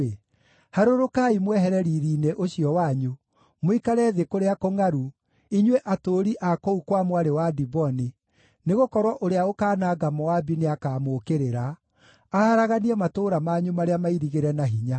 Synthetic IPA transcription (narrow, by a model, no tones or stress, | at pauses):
e | haɾoɾokaimwɛɦɛɾɛɾiːɾiːneʔoɕiɔwaɲu | moikaɾɛðekoɾeakoŋaɾu | iɲweʔatoɾiʔakɔukwamwaɾewadibɔni | neɣokɔɾwɔʔoɾeaokaːnaɡamɔwabineakaːmoːkeɾeɾaː | haɾaɣaniɛmatoːɾamaɲumaɾeamaiɾiɣeɾɛnaɦiɲa